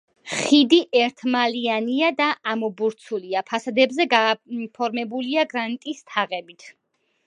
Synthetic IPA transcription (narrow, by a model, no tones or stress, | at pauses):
χid̪iʔɛɾt̪ʰmalianiad̪aʔamɔbuɾt̪sʰuliapʰasad̪ɛbzɛɡapʰɔɾmɛbuliaɡɾanit̪ʼist̪ʰaʁɛbit̪ʰ